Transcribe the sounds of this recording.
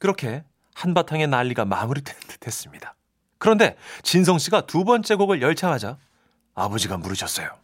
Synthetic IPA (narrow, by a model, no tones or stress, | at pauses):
kɯɾʌkʰe̞ | hanbatʰaŋe̞naʎːiɡamamuɾided̥we̞s͈ɯmɲid̥a | kɯɾʌnde̞t͡ɕins̬ʰʌŋɕ͈ʰiɡatubʌnt͡ɕ͈e̞ɡoɡɯɭjʌɭt͡ɕʰaŋɦad͡ʑa | abʌd͡ʑiɡamuɾɯɕʰʌs͈ʌjo